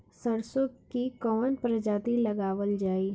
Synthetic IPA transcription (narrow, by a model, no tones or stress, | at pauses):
səɾsokikɔːənpɾəd͡ʒaːt̪ilɐɡaːʋəld͡ʒaːiː